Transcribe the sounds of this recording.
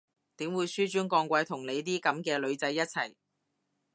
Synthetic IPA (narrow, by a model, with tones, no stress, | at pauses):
t̪iː˨˥mwuː˨˧jsyː˥t͡ʃyː˥nkɔː˧ŋkʷɐ˧jt̪ʰʊ˨˩ŋle˨˧jt̪̬iː˥kɐ˨˥mkɛː˧lɵ˨˧ɥt͡sɐ˨˥jːɐ˥t̚t͡sʰɐ˨˩j